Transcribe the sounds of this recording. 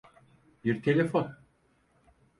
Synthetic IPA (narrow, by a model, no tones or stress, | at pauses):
biɾt̪ʰelʲefon